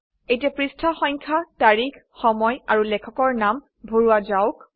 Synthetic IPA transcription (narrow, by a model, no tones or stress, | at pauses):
ejtiɛpɹistʰaxɔŋkʰataɹikʰ | xɔmɔjaɹulɛkʰɔkɔɹnam | bʱoɹuazaʊk